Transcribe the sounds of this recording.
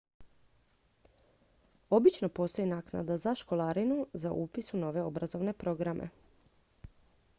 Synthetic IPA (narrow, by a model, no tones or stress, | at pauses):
o̞bit͡ʃno̞po̞ːst̪o̞jinaːkna̰d̪azaʃko̞lˠaɾinuzaʔupisuno̞ʋe̞o̞bɾazo̞ʋne̞pɾo̞ɡɾamʔḛ